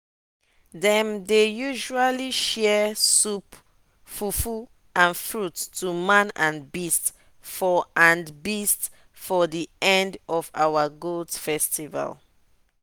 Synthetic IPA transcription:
ðɛ̃mdejuʒualiʃɛsup | fufu | ãnfɹutːʰumãnãnbist | fɔãnbist | fɔðiɛ̃ndɔvawaɡoldfɛstiva̰l

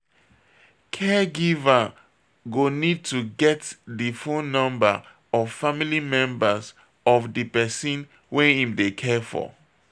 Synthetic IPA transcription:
kʰɛɡivə | ɡonid̚tuɡɛtdifõnnɔ̃mbə̰ | ɔv̥familimɛ̃mbəz | ɔvdipɛsĩn | wɛ̃hĩmdekʰɛfɔ̰

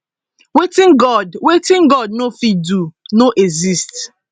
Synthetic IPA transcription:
wetĩnɡɔdwetĩnɡɔd̚nofidunoʔezist

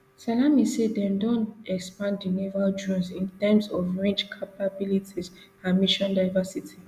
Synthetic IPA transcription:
salamisedɛ̃ndɔ̃ntɛkspãndinivaldɹɔ̃nsĩntɛmsɔfɹẽnd͡ʒkʰapabilitʰiz | ãnmiʃɔ̃ndaɪvasitʰi

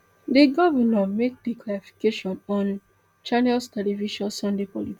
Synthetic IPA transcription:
deɡɔvɛnamek̚dikʰlaɾifi̥keʃɔ̃nɔ̃n | t͡ʃanɛlstɛlɛviʃɔ̃nsɔ̃ndepɔliti

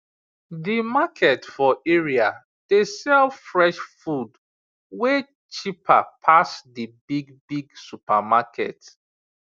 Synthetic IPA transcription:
dimakʰɛtfɔeɹia | d̥esɛlfɹɛʃfud | we | t͡ʃipʰa̰pʰasdibiɡbiɡsupamakʰɛ̰t

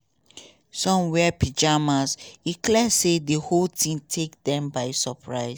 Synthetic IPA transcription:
sɔ̃mwɛpʰid͡ʒamazdikʰlɛsedəholtʰĩmtʰekdɛ̃mbaɪsəpʰɹaɪs

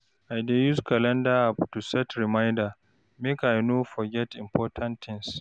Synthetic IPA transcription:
ʔajdejuskʰalɛ̃ndaaptusɛtɾɪmajnda | mɛkajnoːfɔɡʲɛtɪmpʰɔːtʰãnt̪ʰːɪ̃ŋs

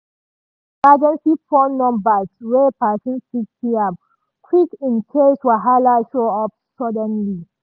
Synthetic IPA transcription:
mad͡ʒɛ̃nsifɔnɔ̃mbaɹepasĩnsiktiam | kʰwikĩnkʰeswaɦalaʃoɔp̚sɔdɛ̃nli

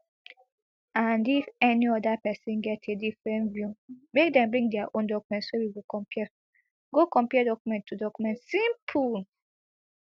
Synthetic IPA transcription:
ãndifɛniɔdapɛsĩnɡɛtʰedifɹɛ̃nvjumek̚dɛ̃mbɹĩŋdɛaʔõndɔkumɛ̃ntswɛwiwikɔ̃pɛ | ɡokɔ̃mpɛdɔkumɛ̃ntʰːudɔkumɛ̃ntsĩmpʰul

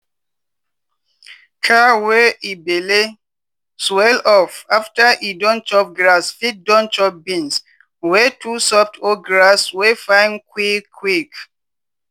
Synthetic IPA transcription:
kʰawɛibele | swɛlɔfaftaʔidɔ̃nt͡ʃɔp̚ɡɹasfit̚dɔ̃nt͡ʃɔp̚bĩns | wɛtʰusɔp̚tʰoɡɹaswefãɪ̃nkwikʰːwik

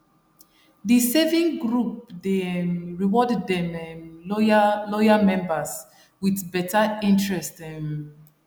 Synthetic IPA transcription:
disɛvĩŋɡɹupdeɹiwɔddɛmɛ | lɔjamɛ̃mbəs | wiθbɛtaĩntɹɛstɛm

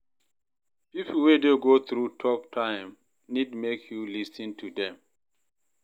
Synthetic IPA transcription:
pipl̩wedeɡoθɹutʰɔp̚tʰãɪ̃m | nidmekʰjulisə̃ntʰudɛ̃m

